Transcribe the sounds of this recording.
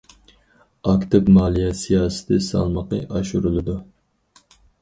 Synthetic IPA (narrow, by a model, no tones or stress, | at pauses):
ɑkt̪ɪpmɑːlˠijɛsijɑːsɨ̥t̪ʰɨsɑ̰lˠməqəʔɑʃuɾulˠɨd̪u